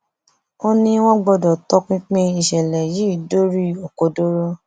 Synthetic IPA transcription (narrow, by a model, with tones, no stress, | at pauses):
o˦nĩ˧w̃ɔ̃˦ɡ͡bɔ˧dɔ˨tɔ˦k͡pĩ˦k͡pĩ˧i˨ʃɛ˨lɛ˨ji˨˦i˦˨do˦ɾi˦o˨ko˨do˦ɾo˦